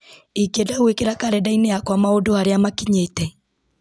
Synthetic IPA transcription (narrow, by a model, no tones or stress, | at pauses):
ikedauwekeɾakaɾɛdaineakwamaodohaɾeamakiɲetɛ